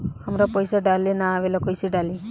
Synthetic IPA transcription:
amɾapɔjsaɖalenaːwelakɔjsiɖali

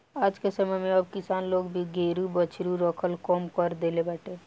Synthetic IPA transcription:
aːd͡ʒkesəməmẽəb̚kɪsaːnloːɡbʱiɡeɾubət͡ʃʰɾuɾəkʰəlkɔmkəɾd̪elebaːʈe

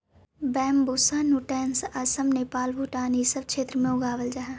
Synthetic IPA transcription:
bɛːmbusanuʈɛːnsɐsəmneːpaːlbuʈaːnisəbkʃeːt̪ɾəmẽʊɡaːʋəld͡ʒaɦɛ̃ː

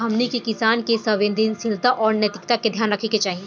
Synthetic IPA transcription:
ɦɐmnikikɪsaːnkesɐʋẽnd̪insɪlt̪aʔɔːɾnjɐt̪ɪkt̪aked̪ʱjaːnɾɐkʰeket͡ʃaːɦiẽː

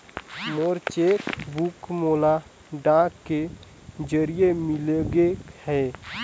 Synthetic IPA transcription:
moːɾt͡ʃeːkbukmoːla | ɖãːkkːe | d͡ʒəɾijemɪleɡehɛː

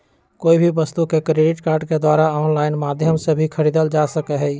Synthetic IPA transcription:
koːibʱiʋəst̪ukekɾeːɖɪʈkaːɾɖked̪waːɾaɔːnlaːɪnmaːd̪ʱjəmsebʱikʰəɾiːd̪əld͡ʒaːsəkɛɦɛ

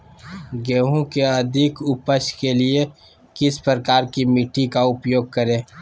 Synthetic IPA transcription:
ɡɛːɦũkeəd̪ʱɪkʊpəʃkelie | kɪspɾɾəkaːɾkimiʈikaʊpjoːɡ̚kəɾẽː

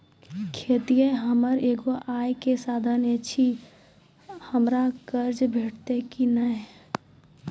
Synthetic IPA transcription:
kʰet̪ijẽɦəməɾeːɡoʔaːjkesaːd̪ʱənet͡ʃʰi | həmɾakəɾd͡ʒbʱeːʈʰt̪ekinəe

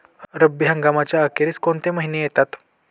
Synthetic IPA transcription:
ɾəbːiɦãŋɡamat͡ɕjaəkeɾiːt͡skoɳt̪eməɦinejet̪at̪

